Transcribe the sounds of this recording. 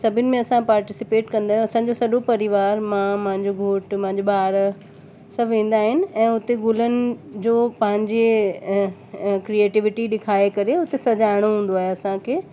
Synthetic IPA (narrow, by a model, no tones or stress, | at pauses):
sɐbʱɪnɪ̆mẽɐsãpaːɾʈɪsɪpeːʈkɐ̃nd̪aːɦjũɐsãd͡ʑosɐɗopɐɾɪʋaːɾmãmɐ̃ɦɪ̃ɲd͡ʑoɡʱoːʈmɐ̃ɦɪ̃ɲd͡ʑoɓaːɾ | sɐbʱʋẽːn̆d̪aːɦɪnɪ̆ɛ̃ːʊt̪eɡʊlənɪ̆d͡ʑoːpɐ̃ɦɪ̃ɲd͡ʑe | kɾieːʈɪʋɪʈiɗɪkʰaːekɐɾeʊt̪esɐd͡ʑaːɪɽ̃oɦũːn̆d̪oaːɦeɐsãkʰeː